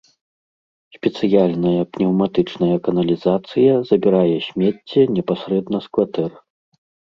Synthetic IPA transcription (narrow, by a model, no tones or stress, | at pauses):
sʲpʲɛt̪sɨjalʲnɐjɐpnʲɛwmat̪ɨt͡ʂnɐjɐkɐnɐlʲizat̪sɨjɐzɐbʲiɾajɛsʲmʲɛt͡sʲːɛnʲɛpasɾɛd̪nɐskvat̪ɛr